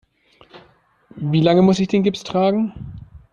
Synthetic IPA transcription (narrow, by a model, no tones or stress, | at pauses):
viːlaŋəmʊsɪçd̥eːnɡɪpstʁ̥aːɡŋ̩